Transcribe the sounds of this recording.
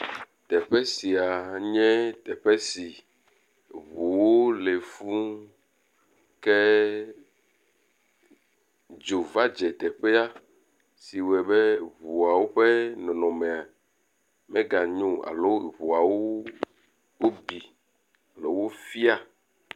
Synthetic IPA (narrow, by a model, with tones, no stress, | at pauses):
t̪ɛ˨ɸɛ˦si˨a˨ɲɛ̃˦t̪ɛ˨ɸɛ˦si˨ | βu˨wo˦le˨fu˦ | kɛ˦ | d͡ʒo˨va˦d͡ʒɛ˨t̪ɛ˨ɸɛ˦a˦ | si˨wɛ˨bɛ˦βu˨a˨wo˦ɸe˦nɔ̃˨nɔ̃˨mẽ˨a˨ | mɛ̃˦ɡa˨ɲũ˦a̰˨lo˦˨βu˨a˨wo˦ | wo˦bi˨ | a˨lo˨˦wo˦fi˦a˨